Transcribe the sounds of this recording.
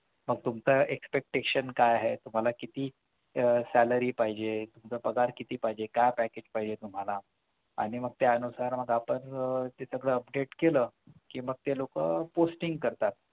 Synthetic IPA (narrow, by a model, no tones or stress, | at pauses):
məɡ̚t̪umt͡səʔekspek̚ʈeɕənkajaɦet̪um̤alakit̪iː | sæləɾiːpaɦid͡ʑet̪umt͡səpəɡaɾkit̪iːpaɦid͡ʑekajpæked͡ʑpaɦid͡ʑet̪um̤ala | a̰ɽ̃iməɡ̚t̪aənusaɾməɡapənt̪esəɡɭəəpɖeʈkeləːkiːməɡ̚t̪elokəposʈiŋɡkəɾt̪at̪̚